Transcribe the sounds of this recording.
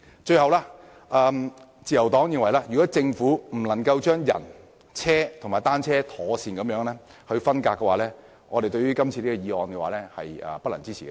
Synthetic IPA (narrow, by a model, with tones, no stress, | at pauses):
t͡ʃɵ˧ɥhɐ˨wlaː˧ | ʔɐː˧m | t͡siː˨jɐ˨˩wt̪ɔː˨˥ŋji˧ŋwɐ˨˩jlaː˧˥jy˨kɔː˨˥t͡sɪ˧ŋfuː˨˥m̩˨˩lɐ˨˩ŋkɐ˧wt͡ʃœː˥ŋjɐ̰˨˩n | t͡sʰɛː˥t̪ʰʊ˨˩ŋmaː˨˩jt̪aː˥nt͡sʰɛː˥t̪ʰɔː˨˥siː˧nkɐ˨˥mjœː˨˥ŋlɛː˥ | hɵ˧ɥfɐ˥nkaː˧kːɛ˧waː˨˧lɛː˥ | ŋɔː˨˧e˨jt̪ɵ˧ɥyː˥kɐ˥mt͡sʰi˧liː˥kɔ˧jiː˨˧ɔː˧nkɛ˧waː˨lɛː˥hɐ̰˨jɐ̰ː˨pɐ˥t̚lɐ̰˨˩nt͡siː˥t͡sʰiː˨kɛ˧